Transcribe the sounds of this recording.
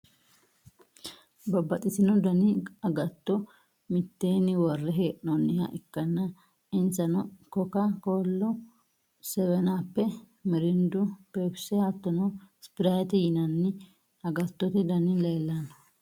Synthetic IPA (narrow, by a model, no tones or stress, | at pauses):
bɐbːɐt̪ʼɪsɪnɔd̪ɐnɪɐɡɐt̪ːɔ | mɪt̪ːe̞ːnɪwɔrːɛɦeːʔnɔnːɪhɐ̰ʔɪkːɐnːɐ | ɪnsɐnɔkɔkɐkoːlːɔ | sɛwɛnaːpːɛ | mɪɾɪnd̪ʊpeːbsɛhat̪ːɔnɔspɪɾajt̪ɪjɪnɐnːɪ | ɐɡɐt̪ːɔt̪ɪd̪ɐnɪlɐjlːɐnɔ̥